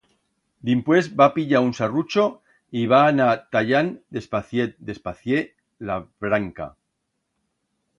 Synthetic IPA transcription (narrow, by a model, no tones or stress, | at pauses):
d̪impwe̞zbapiʎaunsarut͡ʃo | iβanat̪aʎand̪e̞spaθjed̪e̞spaθje | laβɾaŋka̰